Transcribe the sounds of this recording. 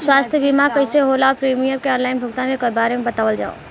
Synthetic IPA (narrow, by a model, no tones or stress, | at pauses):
swaːst̪ʰjəbimakəɪseɦolaːopɾimijəmkeɔ̃ːnlaɪnbʱʊkt̪ãnekəɾbaːɾemẽbət̪aːʋəld͡ʒa̰o̰